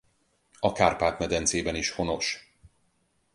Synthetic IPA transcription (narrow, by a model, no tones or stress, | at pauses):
ɒkaːrpaːt̪mɛd̪ɛnt̪seːbɛniʃho̞no̞ʃ